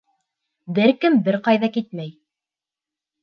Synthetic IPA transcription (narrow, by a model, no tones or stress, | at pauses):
bɘɾkɘmbɘɾqɑjðɑkit̪mæj